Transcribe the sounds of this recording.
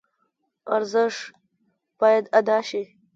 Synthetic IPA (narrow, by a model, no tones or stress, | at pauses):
aɾzəʂ | b̥ɑːjad̪ad̪ɑːʃi